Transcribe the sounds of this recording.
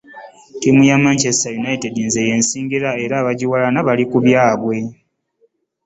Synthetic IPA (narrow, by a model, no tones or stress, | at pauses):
timujamaɲcestajunaitedinze̞je̞ːnsiːŋɡiɾae̞ɾaβaɟiwalanaβalikuβjaːβwe̞